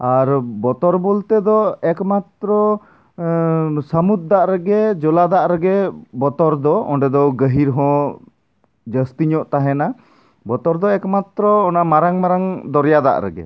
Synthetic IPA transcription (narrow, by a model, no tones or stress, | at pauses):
aɾbɔt̪ɔɾbɔlt̪ɛd̪ɔɛkmat̪ɾɔ | səmut̪̚d̪aʔɾɛɡɛd͡ʒɔlad̪aʔɾɛɡɛbɔt̪ɔɾd̪ɔɔ̰ɳɖɛd̪ɔɡəɦiɾɦɔ̃ | d͡ʒəst̪iɲɔʔt̪aɦɛna | bɔt̪ɔɾd̪ɔɛkmat̪ɾɔːnamaɾaŋmaɾaŋd̪ɔɾjad̪a̰ʔɾɛ̰ɡɛ̰